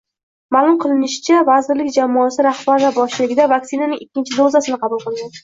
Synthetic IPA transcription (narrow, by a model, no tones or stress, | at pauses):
maːlˠʊmqʰɨlˠɪnɪʃɪ̥t͡ʃʰavazɪɾlɪkʲd͡ʒamɒasɪɾahbaɾvabɒʃɪlɪɡʲɪd̪avak̚sɪnanɪŋɪkʲːɪnt͡ʃʰɪd̪ozasɪnɪqʰɑbulˠqʰɨlˠɡʲan